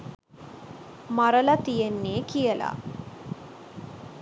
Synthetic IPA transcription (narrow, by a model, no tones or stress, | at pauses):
maɾəlat̪ijenːeːkijəla̰